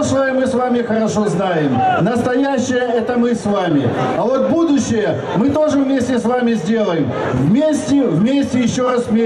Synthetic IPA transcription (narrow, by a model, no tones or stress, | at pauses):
ʂəjəmɨsvamʲɪxəɾɐʂo̞znajɪmnəst̪ɐjæɕːɪjəɛt̪əmɨsvamʲɪ̰ɐvo̞t̪̚bud̪ʊɕːɪjə | mɨt̪o̞ʐɨvmʲesʲtʲɪsvamʲɪzʲdʲe̞lˠəjɪm | vmʲesʲtʲɪvmʲesʲtʲɪjɪɕːoɾasvmʲe